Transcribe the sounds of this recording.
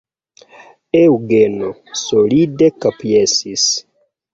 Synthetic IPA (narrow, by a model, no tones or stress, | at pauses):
euɡeno | solidekapjesis